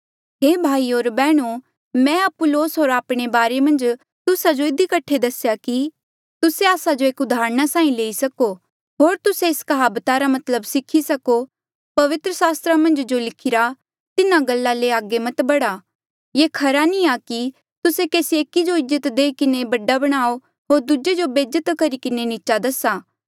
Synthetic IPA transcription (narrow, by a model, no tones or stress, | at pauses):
ɦeːbʱaːioːɾbɛːɽ̃o | mɛ̃ɐpʊloːsɦoːɾaːpɽ̃ebaːɾemɐ̃nd͡ʒ | t̪ʊsad͡ʒoɪd̪ikɐʈʰed̪ɐsjaki | t̪ʊseaːsad͡ʒoeːkʊd̪ʱaːɾəɽ̃asãːĩleːisɐko | ɦoːɾt̪ʊseɪskɐɦaːbət̪aɾamɐt̪ləbsɪkʰisɐko | pɐʋɪt̪ɾəsaːst̪ɾamɐ̃nd͡ʒd͡ʒolɪkʰɪɾa | t̪ɪnãɡɐlːaleaːɡemɐt̪bɐɽa | jeːkʰɐɾanĩaki | t̪ʊsekeːsieːkid͡ʒoɪd͡ʒət̪d̪eːikɪnebɐɖabɐɽ̃aːo | ɦoːɾd̪ʊd͡ʒed͡ʒobeːd͡ʒət̪kɐɾikɪnenɪit͡ʃad̪ɐsaː